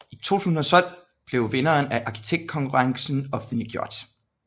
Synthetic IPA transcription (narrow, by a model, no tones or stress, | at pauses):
it͡sʰo̝̰ːt͡sʰṵːsn̩ɒ̽t͡sʰɒ̽l̰ | b̥le̝ʊʋe̝nɐːnæʔɑ̈kʰi̥t͡sʰeɡ̥̚d̥̚kʰɒ̽ŋkʰuʁɑ̈ŋsn̩ɒ̽fn̩d̥liɡ̥jo̝ɐ̰d̥